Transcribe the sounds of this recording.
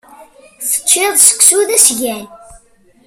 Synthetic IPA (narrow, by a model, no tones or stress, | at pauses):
θə̥t͡ʃːeðˤsə̥kːsuðæsʝæl